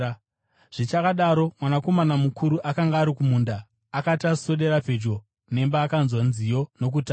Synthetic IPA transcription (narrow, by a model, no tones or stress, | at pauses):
ʐ̥it͡ʃakaɗaɾo̞mwanako̞manamukʰuɾuʔakaŋɡaːɾikumundaː | kataso̞ɗe̞ɾap͡fe̞d͡ʒɡo̞ | ne̞mbaːkanzwanzijo̞no̞k̬uta